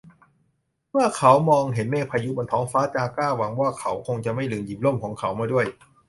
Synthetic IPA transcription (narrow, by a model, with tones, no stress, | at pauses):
mɯː˥˩˨kʰa˦˥wmɔː˧ŋɦe˩˦nmɛː˥˩pʰaː˧ju˦˥bɔː˧nt̪ʰɔː˦˥ŋfaː˦˥t͡ɕaː˧kaː˥˩wa˩˦ŋwaː˥˩kʰa˨˦˥wkʰo˧ŋt͡ɕa˨˩ma˥˩jlɯː˨˧˦ŋjiː˨˩p̚lo˥˩mkʰɔː˩˦ŋkʰa˨˦wmaː˧˥˩du˥˩əj